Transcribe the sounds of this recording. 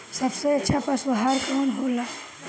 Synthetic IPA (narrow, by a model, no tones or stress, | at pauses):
səbseətːt͡ʃʰapəsʋəɦaɾkaːnɦola